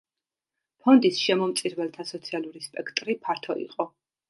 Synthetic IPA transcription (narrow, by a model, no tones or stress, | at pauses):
pʰɔnd̪isʃɛmɔmt̪sʼiɾvɛlˠt̪ʰasɔt̪sʰialˠuɾispʼɛkʰt̪ʼɾipʰaɾt̪ʰɔḭqʼɔ